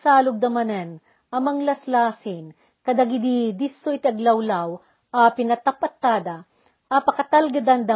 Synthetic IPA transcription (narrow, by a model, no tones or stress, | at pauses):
saːlʊɡ̚d̪ɐmɐnɛn | ʔɐmɐŋlɐslaːsɪn | kɐd̪aɡɪd̪id̪ɪsːot̪ɐɡlɐwlaw | apɪnɐt̪apɐt̪ːaːd̪ɐ | ʔapɐkɐt̪ɐlɡɐd̪and̪ɐ